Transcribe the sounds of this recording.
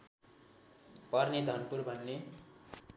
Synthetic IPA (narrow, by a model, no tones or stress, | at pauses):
pʌrned̪ʱʌnpurbʱʌnːe